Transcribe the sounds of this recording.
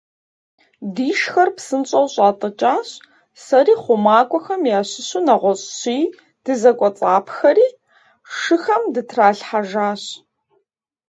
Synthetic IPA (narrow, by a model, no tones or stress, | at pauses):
diːʃxɐrpsɨnɕʼɐwɕʼaːtʼɨt͡ʃʼaːɕ | sɐriːχʷʊmaːkʷʼɔxɐmjaːɕɪɕʊnɐʁʷɔɕʼɕiː | d̥ɨzɐkʷʼɔt͡sʼaːpʰxɐɾiː | ʂɨxɐmdɨtʰraːɬħaʒaːɕ